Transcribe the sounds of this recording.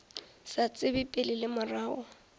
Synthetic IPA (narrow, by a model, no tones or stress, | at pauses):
sat͡sʼɪbipʼɪlɪlɪmʊraːɔ